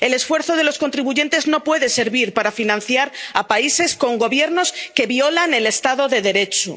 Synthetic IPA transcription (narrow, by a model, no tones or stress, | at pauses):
e̞le̞sfwe̞ɾθo̞ð̞e̞lo̞sko̞nt̪ɾiβuʝe̞nt̪e̞zno̞pwe̞ðe̞se̞ɾβiɾpaɾafinãn̟θjaɾapaise̞sko̞ŋɡo̞βje̞ɾno̞ske̞βjo̞lane̞le̞st̪aðo̞ðe̞ðe̞ɾe̞t͡ʃṵ